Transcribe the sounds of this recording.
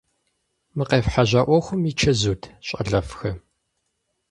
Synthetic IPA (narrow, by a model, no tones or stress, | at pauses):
mɨqeːfħaʑʷaːʔʷɔxʷʊmit͡ʃʰɐzuːtʰɕʼɐ̰ɮɐfxɐ